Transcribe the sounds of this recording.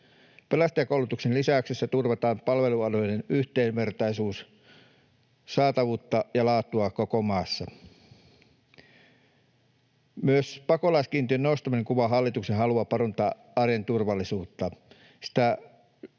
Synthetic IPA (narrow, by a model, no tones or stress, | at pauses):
pelæst̪ɑjɑkoulut̪uksenlisæyksesːæt̪urʋɑt̪ɑːmpɑlʋe̞luɑlojnenyht̪eːmʋert̪ɑisuːs | sɑːt̪ɑʋuːt̪ːɑjɑlɑːt̪ːˑuɑkokomɑːsːɑ | myøspɑkolɑiskiːnt̪iønnoust̪ɑmineŋkuʋɑɦɑlːit̪uksenɦɑluɑpɑront̪ɑː | ɑrjent̪urʋɑlːisuːt̪ːɑ | si̥t̪æ